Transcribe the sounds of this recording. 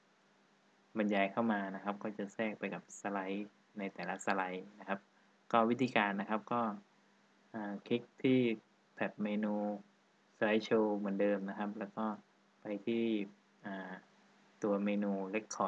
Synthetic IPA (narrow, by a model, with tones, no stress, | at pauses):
ba˧njaː˧jkʰa˥˩wmaː˧na˦˥kʰa˦˥p̚kɔː˥˩t͡ɕa˨˩sɛː˥˩k̚pa˧jka˨˩p̚sa˧la˦˥j | na˧jt̪ɛː˨˩la˦˥sa˧la˨˦˥jna˦˥kʰa˦˥p̚ | kɔː˥˩wi˦˥t̪ʰiː˧kaː˧nːa˦˥kʰa˦˥p̚kɔː˥˩ | ʔaː˨˩kʰi˦˥k̚t̪ʰiː˥˩ | p̪ʰɛ˨˩t̪̚meː˧nuː˧ | sa˧la˦˥jt͡ɕʰoː˧mɯ˨˩˦ndɤː˧mna˦˥kʰa˦˥p̚lɛː˦˥wkɔː˥˩ | pa˧jt̪ʰiː˥˩ | ʔaː˨˩ | t̪u˧ɐmeː˧nuː˧le˦˥kʰːɔː˨˩